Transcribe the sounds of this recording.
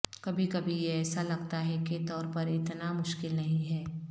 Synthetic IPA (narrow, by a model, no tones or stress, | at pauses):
kɐbʱikɐbʱijeɛːsalɐɡt̪aɦɛket̪ɔːɾpɐɾɪt̪namʊʃkɪlnɐɦĩɦɛː